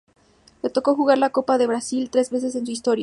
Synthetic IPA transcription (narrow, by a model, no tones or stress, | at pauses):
le̞t̪o̞ko̞xuɣaɾlako̞paðe̞βɾasilt̪ɾe̞zβe̞s̬e̞s̬e̞ns̬uist̪o̞ɾja